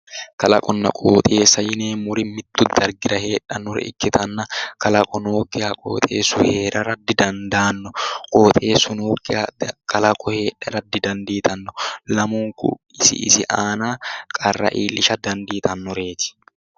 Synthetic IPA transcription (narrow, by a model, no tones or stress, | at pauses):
kɐlɐkʼɔnːɐ̰kʼoːt̪ʼe̞ːsːɐjɪneːmʊɾɪmɪt̪ːʊd̪ɐɾɡɪɾɐhe̞ːᶑɐnʊɾɛ̰ʔɪ̰kːɪt̪ɐnːɐkɐlɐkʼɔnoːkːɪhɐkʼo̰ːt̪ʼḛːsːʊhe̞ːɾɐɾɐd̪ːɪd̪ɐnd̪aːnːɔkʼoːt̪ʼe̞ːsːʊnoːkːɪkʰɐlɐkʼɔhe̞ːᶑɐɾɐd̪ːɪd̪ɐnd̪iːt̪ɐnːɔlɐmuːŋkʊ̰ɪsɪ̰ɪ̰sɪʔaːnaːkʼɐrːɐ̰ʔiːlːɪʃɐd̪ɐnd̪iːt̪ɐnːʊɾe̞ːt̪ɪ̥